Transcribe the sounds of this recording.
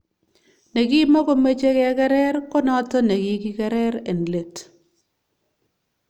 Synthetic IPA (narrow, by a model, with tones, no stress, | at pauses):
ne˨ɡi˦mɔ˦ko˦me˦t͡ʃe˦kɛ˦a˦kɛ˦ɾɛ˦ɾkɔ˦nɔ˦tɔ˦ne˨ɡi˦ki˦kɛ˦ɾɛ˦ɾe˨n˨le˨t